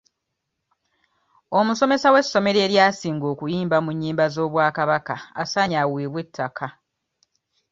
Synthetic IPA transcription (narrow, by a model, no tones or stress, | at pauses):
o̞muso̞me̞sawe̞sːo̞me̞ɾeːɾjaːsiːŋɡo̞ːkujiːmbamuɲːiːmbazo̞ːβwaːkaβakaa̰saɲaweːβwetʰːakʰa